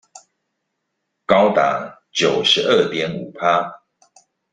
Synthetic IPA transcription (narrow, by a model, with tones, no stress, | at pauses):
kɑ˦ʊt̪a̰˨˩˦t͡ɕjo˨˩ʊʂɻ̩˨˦ʔə˥˨t̪ʰjɛ˦nu˨˩pʰa˦